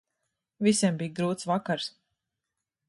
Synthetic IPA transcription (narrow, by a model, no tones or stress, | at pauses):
visʲiɛmbijɡɾuːt̪svakaɾs